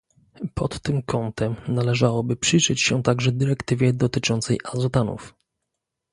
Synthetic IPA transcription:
pɔt̪ːɘmkɔnt̪ʰɛmnalɛʐawɔbɘpʂɘjʐɘt͡ɕɕɛt̪aɡʐɛd̪ɘɾɛkt̪ɘvʲjɛd̪ɔt̪ɘt͡ʂɔnt̪sɛjʔazɔt̪anṵf

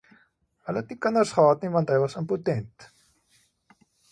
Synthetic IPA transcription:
ɦələtnikənərsχəɦɑːtnivɐntɦəjvɐsəmputɛnt

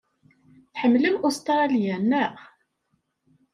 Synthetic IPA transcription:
θħəmːləmʊst̪ɾɾˤɑlijænæ

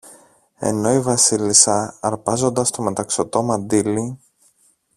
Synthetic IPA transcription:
e̞̰no̞ivɐsilisɐɐɾpɐzo̞nd̪ɐst̪o̞me̞t̪ɐksot̪o̞mɐnd̪ili

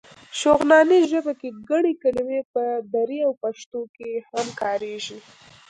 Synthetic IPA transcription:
ʃoɣnɑneʒəbakeɡaɽ̃ekalimepəd̪aɾiawpaʃt̪okehamkɑɾeʒi

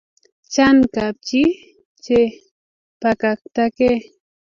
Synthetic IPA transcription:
t͡ʃaŋkap̚t͡ʃi | t͡ʃe | pakakt̪ake

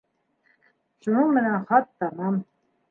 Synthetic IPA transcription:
ʃunɤɴmɘ̆nænχɑt̪ːɑmɑm

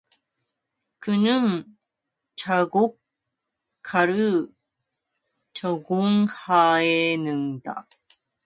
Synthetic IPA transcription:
kɯnɯŋ | t͡ɕaɡokʰː | aɾɯ | t͡ɕoɡoŋhaenɯŋd̪a̰

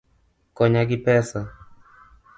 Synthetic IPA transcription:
kɔɲaɡipɛsa

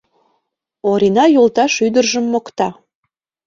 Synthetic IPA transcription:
oɾinɑjolˠt̪ɑʃyd̪ərʒəmːokt̪ɑ

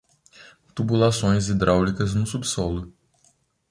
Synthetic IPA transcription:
t̪ubulasõj̃zid̪ɾawlikɐznʊsubisɔlʊ

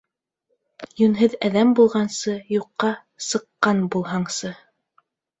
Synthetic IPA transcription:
jɵ̆nɦɘðæðæmbulˠʁɑnsɤjuqːɑ | sɤ̆qːɑnbulˠɦɑɴsɤ

